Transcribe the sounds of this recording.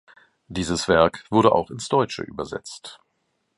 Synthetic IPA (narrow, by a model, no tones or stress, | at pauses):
d̥iːzəsv̥ɛɐkv̥ʊɐɾəʔa̰ʊxɪnsd̥ɔʏt͡ʃə̰ʔy̰ːbɐzɛ̰t͡st